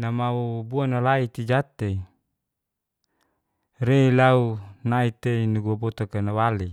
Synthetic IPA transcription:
namawubuanalait̪id͡ʒat̪e | reilaunait̪einuɡuabɔt̪akanawali

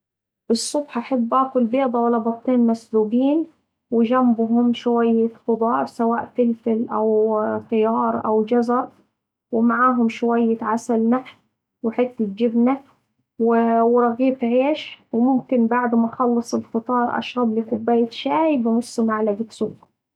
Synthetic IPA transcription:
ʔɨsˤːʊbħʔaħabːʔaːkʊlbeːd̪ˤɑwalːabɑt̪ˤːiːnmasluːɡiːn | wɪd͡ʒambʊɦʊmʃwajːaxʊd̪ˤɑːsawaːʔfɪlfɪlʔawxɪjɑːɾˤʔa̰wd͡ʒazɑɾˤ | wɪmaʕaːɦʊmʃwajːaʕasalnaħ | wɪħɪt̪ːɪt̪̚d͡ʒɪbna | wɪwɪɾˤɑɣiːfʕeːʃwɪmʊmkɪnbaʕd̪maʔxɑlːɨsˤɪlxɨt̪ˤɑːɾˤʔa̰ʃɾˤɑblɪkʊbːaːjɪt̪ʃaːjbɪmʊsˤːʊmaʕlaɡɪsuːɡ

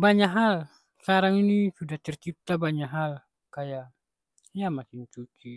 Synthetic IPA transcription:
baɲaʔɦal | skaɾaŋinisudaht̪ərt͡ʃip̚t̪abaɲaɦal | kajaʔ | ijamakɪnt͡ʃut͡ʃi

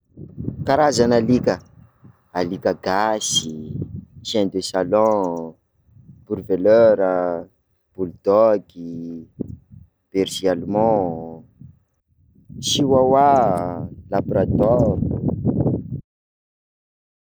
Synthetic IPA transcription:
kaɾazanalikə | alikəɡasi | sɛ̃nd̪esalɔ̃ | b̥uɾveløɾə | b̥uld̪̥ɔki | b̥eɾsialmɔ̃ | siwawa | labɾat̪ɔɾ

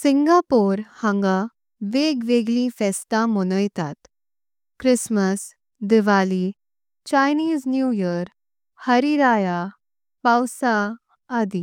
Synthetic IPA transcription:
sĩŋɡapoɾhãŋɡa | ʋeɡʋeɡlĩfɛst̪amɔnəjt̪at̪ | kɾisməs | d̪iʋali | t͡ɕajniːd͡znjujəɾ | həɾiɾaja | pawsaː | d̪i

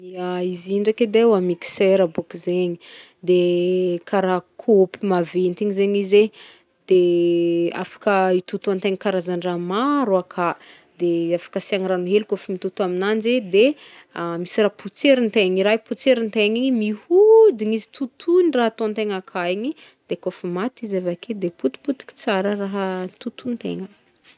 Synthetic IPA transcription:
iaiziɳɖ͡ʐaked̪ewamiki̥seɾabukizeɲi | d̪ekʰaɾakʰopimavent̪iŋizeɲize | d̪̥e | a̰fḁkəit̪ut̪uant̪eŋikaɾazaɳɖ͡ʐamaɾuakʰa | d̪eafḁkəsiaŋɾanuɦelkofimit̪ut̪aminand͡ʒed̪e | amisiraput͡seɾint̪eŋiɾajput͡seɾint̪eɲiɲimihud̪iŋizi̥t̪ut̪ʰuniraɦat̪ont̪eŋakʰaiɲi | d̪̥ekofumat̪izavakʰed̪eput̪i̥put̪i̥ki̥t͡saɾəraɦət̪ut̪unt̪ḛŋə

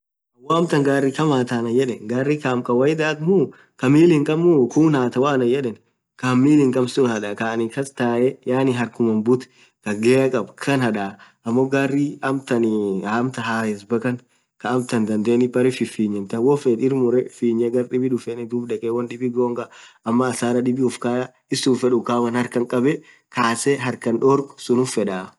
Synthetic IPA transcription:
ɐwɔɐmt̪ɐŋɡaːrːikɐmaːt̪aːnɐjɛᶑɛnɡaːrːikamkʼɐwɐjd̪aːkmʊ | kɐmiːlɪŋkʼɐmːʊkuːnaːt̪ɐwaːnɐjɛᶑɛn | kɐmːiːlɪŋkʼɐmsʊnhɐᶑɐkanɪkɐst̪aːʔɛjaːnɪɦɐɾkʊmɐmbʊt̪ | kɐɡeɐkʼɐbkʰɐnhɐᶑa | ɐmːɔɡaːrːiɐmt̪ɐnɪamt̪ɐɦaːhɛs̬bɐkɐn | kɐɐmt̪ɐnd̪ɐnd̪eːnɪbɐɾɪfɪfiːɲːɛnt̪ɐwɔfɛᶑɪɾmʊɾɛfiːɲːɛɡɐɾᶑɪbɪᶑʊfɛnɪd̪uːbᶑɛkʼɛwɐnᶑɪbɪɡoːŋɡɐɐmːɐːsaːɾɐɗɪbɪʊfkaːjɐ | ɪsʊnfɛᶑʊkaːmɐnhɐɾkɐŋkʼɐbɛ | kʰaːsɛɦɐɾkɐnᶑɔɾksʊnʊfɛᶑaː

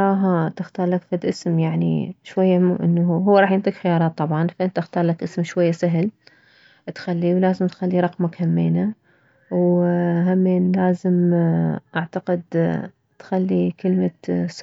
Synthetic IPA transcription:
ɾˤɑːɦat̪ɪxt̪ɑːɾˤlakfad̪ʔɪsmjaʕnḭʃwajːaʔɪnːɦuwːaɾˤɑːħjɪnt̪ˤiːkxɪjɑːɾˤɑːt̪ˤːɑbʕɑnfaʔɪnt̪ʔɪxt̪ɑːɾˤlakʔɪsmʃwajːasaɦɪl | t̪xalːiwlaːzɪmt̪xalːiɾˤɑqmakhamːeːna | wɦamːeːnlaːzɪm | ʔaʕt̪aqɪd̪ | t̪xalːikɪlmas

